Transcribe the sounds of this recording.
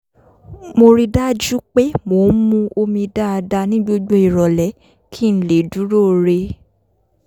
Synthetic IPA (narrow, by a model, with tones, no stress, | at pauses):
mo˧ɾi˧da˦d͡ʒu˦k͡pe˦mo˨˦mũ˦˧o˧mĩ˧da˦a˧da˧nĩ˦ɡ͡bo˦ɡ͡bo˦i˨ɾɔ˨lɛ˨˦ | kʰi˦˨n̩˨le˨du˨˦ɾo˦˨ɾe˧